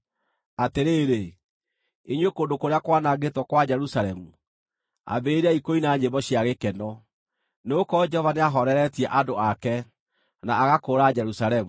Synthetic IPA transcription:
ateɾeːɾe | eɲwekoːndokoɾeakwanaɣetwɔkwad͡ʒɛɾusaɾɛmu | a̰beɾaikoinaɲeβɔɕjaɣekɛnɔ | neokɔd͡ʒɛhɔvaneaɦɔɾɛɾɛtiɛʔadoakɛ | naːɣakoɾad͡ʒɛɾusaɾɛmu

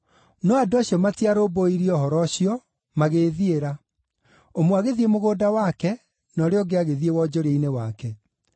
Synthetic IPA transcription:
nɔadaɕiɔmatiaɾoːboiɾiɔhɔɾɔɕiɔ | maɣeðieɾa | omwaɣeðiemoɣoːdawakɛ | nɔɾeɔɡeaɣeðiewɔd͡ʑoɾeinewakɛ

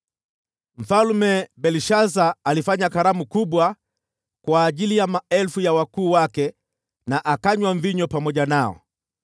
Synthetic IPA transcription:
m̩falmɛbɛliʃazaːlifaɲakaɾamukuɓwa | kwaːʄilijamaɛlfujawakuːwakɛ | naʔakaɲwaɱviɲɔpamɔʄanaɔ̰

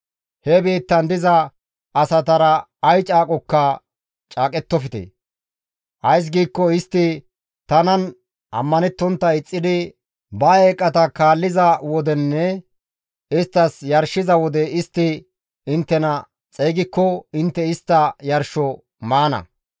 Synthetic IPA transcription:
hɛbiːt̪ːɐnd̪ɪzɐː | sɐt̪ɐɾɐː | jt͡ʃʼaːkʼɔkːɐ | t͡ʃʼaːkʼɛt̪ːɔfɪt̪ɛ̰ | ʔɐjs̬ɡiːkːɔɪst̪ːɪ | t̪ɐnɐn | ʔɐ̰mːɐnɛt̪ːɔnt̪ːɐɪt͡sʼːɪd̪ɪ | bɐeːkʼːɐt̪ɐkaːlːɪzɐwɔd̪ɛnːɛ | ɪst̪ːɐsjɐɾʃɪzɐwɔd̪ɛɪst̪ːɪ | ɪnt̪ːɛnɐ | t͡sʼeːɡɪkːɔɪnt̪ːɛɪst̪ːɐjɐɾʃɔ | maːnɐ̰

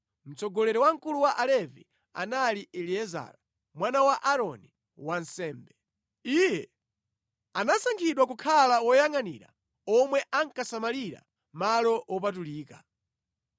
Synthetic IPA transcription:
m̩t͡sɔɡɔlɛɾɔwaŋ̩kuluwaʔalɛvi | a̰naliʔɛliɛza̰ːɾa | mwanawaʔaɾɔni | wansɛːmbɛ | iːjɛ | anasaŋkʰiɗwak̬ukʰalawɔjaŋanḭːɾa̰ | ɔmwɛʔaŋkasamaliɾa̰ | malɔwʔɔp̬atuliːka

